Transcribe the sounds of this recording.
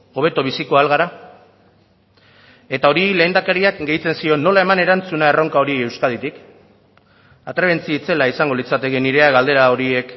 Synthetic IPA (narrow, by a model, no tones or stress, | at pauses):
o̞β̞e̞t̪oβ̞isiko̞alɣaɾa | e̞t̪ao̞ɾile̞ːnd̪akaɾiakɡe̞jt͡se̞nsio̞nːo̞lae̞mane̞ɾant͡sunae̞ro̞ŋkao̞ɾie̞wskað̞it̪ik | at̪ɾe̞βe̞nt͡siit͡se̞laisaŋɡo̞lit͡sat̪e̞keniɾe̞aɣald̪e̞ɾaoɾie̞k